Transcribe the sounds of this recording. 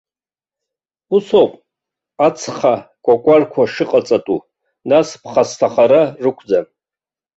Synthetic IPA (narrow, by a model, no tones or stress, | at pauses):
usowpʼ | at͡sʰχakʷʼakʷʼarkʷʰaʂɨqʼat͡sʼatʼu | naspʰχastʰaχaɾarɨkʷʰd͡za